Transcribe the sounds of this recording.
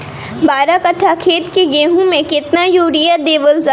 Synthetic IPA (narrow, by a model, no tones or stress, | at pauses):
baːɾakɐʈʰːakʰeːt̪kejeːɦũmẽkɪt̪najoːɽijad̪eːʋəlza